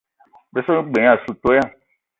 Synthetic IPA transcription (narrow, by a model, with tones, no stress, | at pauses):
be˨so˦nũ˦ɡ͡bẽ˨ã˨su˨t̪o˦ja˦˨